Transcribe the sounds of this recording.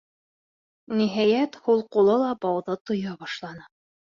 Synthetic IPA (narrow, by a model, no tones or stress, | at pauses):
niɦæjæt̪hulˠqulˠɤlˠɑbɑwðɤt̪ŏjɑbɑʃlˠɑnɤ